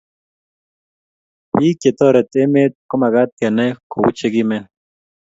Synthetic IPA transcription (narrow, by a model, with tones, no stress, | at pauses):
pi˦kje˨t̪o˦ɾe˨t̪e˦me˦t̪̚ko˦ma˨ɣa˦t̪ja˨na˦ko˨u˦t͡ʃe˦ɡime˦